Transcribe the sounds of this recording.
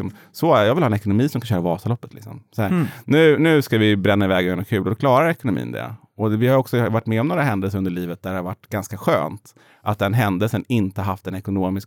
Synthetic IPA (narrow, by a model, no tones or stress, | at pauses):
sɔm | sɔæjɑːvɪlhɑːɛnɛkʊnʊmiːsɔmkʰanɕœːɾavɑːsalɔpːət̪lɪksɔ̰msɔhæɾnʉ̟ːnʉ̟ːskavɪbɾɛnːaɪvɛːɡjœnɔkʰʉ̟ːlɔd̪ɔklɑːɾaɾɛkʊnʊmḭːnd̪ɛ̰ | ɔvɪhajɔksɔvaʈːmɛːɔmnoːɾaɦɛnd̪əlsəɾɵnd̪əɭiːvət̪̚d̪æɖɛhaɾvaʈːɡanskaɧø̰ːnt̪ | ʔat̪̚d̪ɛnɦɛnd̪əlsənɪnt̪əhaɾɦaft̪ɛnɛkʊnoːmɪsk